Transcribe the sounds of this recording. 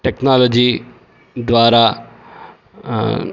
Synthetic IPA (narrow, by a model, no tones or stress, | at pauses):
ʈeknaːlod͡ʑiː | d̪ʋaːɾa